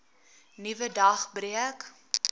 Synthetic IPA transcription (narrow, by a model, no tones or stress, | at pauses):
nivədɐχbriək